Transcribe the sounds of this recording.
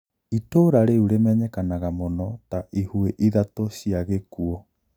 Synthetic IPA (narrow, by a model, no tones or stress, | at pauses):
itoɾaɾeuɾemɛɲɛkanaɣamonɔtaʔihueʔiðatoɕiaɣekuɔ